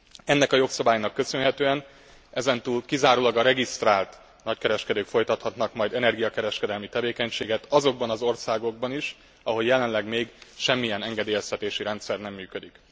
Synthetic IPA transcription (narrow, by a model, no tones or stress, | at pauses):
ɛnːɛkɒjo̞ksɒbaːjnɒkːø̞sø̞nɦɛt̪øːɛn | ɛzɛnt̪uːlkizaːɾoːlɒɡɒɾɛɡist̪raːlt̪ | nɒckɛɾɛʃkɛd̪øːkfo̞jt̪ɒt̪hɒt̪nɒkmɒjd̪ɛnɛrɡijɒkɛɾɛʃkɛd̪ɛlmit̪ɛveːkɛɲʃeːɡɛt̪ɒzo̞ɡ̚bɒnɒzo̞rsaːɡo̞ɡ̚bɒniʃ | ɒɦo̞ljɛlɛnlɛɡmeːɡʃɛmːijɛnɛŋɡɛd̪eːjɛst̪ɛt̪eːʃiɾɛnt̪sɛrnɛmːyːkød̪ik